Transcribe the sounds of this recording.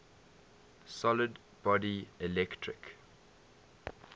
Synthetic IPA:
sɔləd | b̥ɔdiɪlɛktʰɹɪk

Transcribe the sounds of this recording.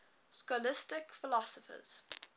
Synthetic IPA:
skɔlɪstɪkfɪlɔsəfə̰z̥

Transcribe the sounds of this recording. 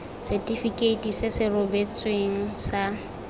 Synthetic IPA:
sɛtʼifikʼeitʼisɪsɪrʊbet͡sʼweŋ̩sa

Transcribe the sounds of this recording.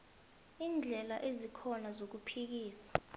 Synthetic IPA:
iːnd͡ɮʱɛlaʔezikʰɔnazok̬upʰik̬iːsḁ

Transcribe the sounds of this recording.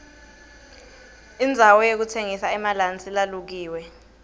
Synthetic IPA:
ind͡zʱawɔjek̬utʰeŋisaɛmalant͡sʼilaluk̬iːwɛ

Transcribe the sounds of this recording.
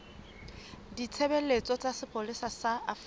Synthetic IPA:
dit͡sʰebelet͡sʼɔt͡sʼasɪpʰʼolisasaaf

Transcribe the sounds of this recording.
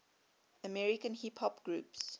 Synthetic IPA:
əmɛɹɪkə̃nhiphɔpɡ̥ɹuːˑps

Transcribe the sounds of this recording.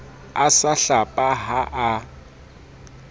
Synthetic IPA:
asaɬapʼaɦaʔa

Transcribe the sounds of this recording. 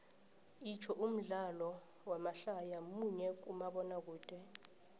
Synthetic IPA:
it͡ʃʰɔʔum̩ɮalɔ | wamaɬajamuɲɛk̬umaɓɔnak̬uːd̥ʱɛ

